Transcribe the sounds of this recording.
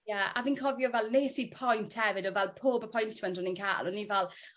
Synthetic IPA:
jaa̰viːnkʰɔvjɔvɛlˠneːsipʰɔjntʰhɛvɪdɔvɛlˠpʰoːbəpʰɔjntʰmɛntɔninkʰa̰lɔnːivɛlˠ

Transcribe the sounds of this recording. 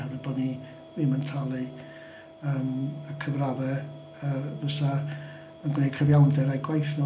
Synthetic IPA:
əvɨdbɔdni | miməntʰalˠɨ | əːməkʰəvravɛ | əməsa | ənɡneːkʰəvjawndɛɾajɡwajθnɔ

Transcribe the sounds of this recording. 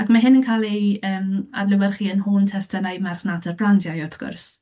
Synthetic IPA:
akmaɦɪnənkʰaːlˠiəːma̰dlɪwɛrχiːənhuːntʰɛstənajmarχnadərblandjajɔtɡ̥ʊ̰rs

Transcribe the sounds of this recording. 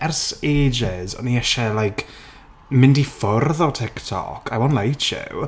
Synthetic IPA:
ɛrseːd͡ʒɪzɔ̰niɛʃɛlajkʰ | mɪndifʊrðɔtʰɪktʰɔ̰kʰa̰jwɔnlajtʰɪ̰w

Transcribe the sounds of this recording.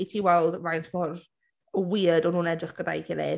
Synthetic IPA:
itʰiːwɛlˠdvajntʰmɔr | əwiːədɔnhuːnɛdrɪχɡ̥əda̰jkʰɪlḛ

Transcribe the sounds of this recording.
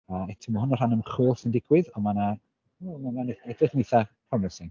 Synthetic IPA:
aɛtʰɪməhʊnɔr̥anəmχuːlˠsəndɪɡwɪðɔmana | mananɛdrɪχnejθapʰrɔmɛsɪn

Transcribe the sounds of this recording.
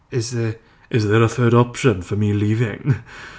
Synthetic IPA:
ɪzðə | ʔɪzðəɹəθɜːɾɒpʃə̃nfəmiliːvɪ̰̃ŋ

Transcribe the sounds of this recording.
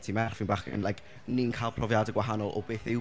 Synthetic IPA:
tʰimɛrχvɪnbaχə̰nlˠajkʰ | niənkʰaːlˠpʰrɔvjadəɡwaɦanɔlˠʔɔ̰beːθɪw

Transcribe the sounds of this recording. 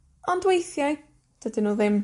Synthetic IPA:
ɔndwejθjaɨ | d̥ədɪnuːðɪm

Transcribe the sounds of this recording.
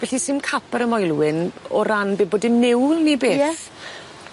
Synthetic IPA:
vɛɬisɪnkʰapʰɛɾəmɔjlˠwɪnɔɾanbeːboːdɪmnɪwlˠnibeːjɛθ

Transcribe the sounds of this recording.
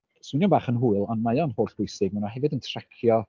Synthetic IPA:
swɪnjɔbaːχənɦuːɨlˠanmajɔnhoːɬb̥ʊjsɪɡ̚manɔhɛvɨdəntʰrɛkʰjɔ

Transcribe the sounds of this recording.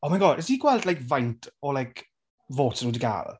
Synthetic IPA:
omajɡɔdɛsdiɡwɛlˠdlajkvajntʰɔlajkʰ | voːtʰənudiɡa̰ːl̰l

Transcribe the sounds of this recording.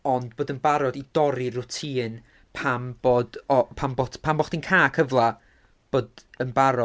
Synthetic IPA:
ɔnd̚boːdənbaɾɔdid̥ɔɾirʊtʰiːn | pʰamb̥oːdɔpʰambɔtʰpʰambɔχd̥inkʰaːkʰəvlˠa | b̥oːdənbaɾɔ

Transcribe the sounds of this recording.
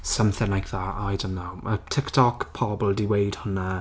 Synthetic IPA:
səmθɪ̃ŋlajkʰðaajdənːowətʰɪktʰɔkpʰɔbl̩ˠdiwejd̥hʊna

